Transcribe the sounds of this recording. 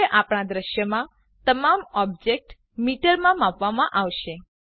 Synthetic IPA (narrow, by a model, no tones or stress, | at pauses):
eʔapɽ̃ad̪ɾəʃjəmã | t̪əmamɔb̚d͡ʒek̚ʈ | miʈəɾlmãmãpʋamãʔaʋʃe